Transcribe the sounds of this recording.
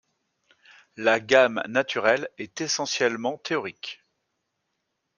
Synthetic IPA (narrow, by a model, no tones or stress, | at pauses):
laɡamnat̪ʰyʁɛlɛt̪esɑ̃sjɛlmɑ̃t̪ʰeɔʁik